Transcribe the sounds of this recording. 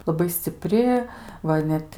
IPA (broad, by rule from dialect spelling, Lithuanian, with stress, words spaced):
lˠɐˈbɐɪ sʲt͡sʲɪˈpʲrʲɪ ˈʋɐ ɪ ˈnʲɛt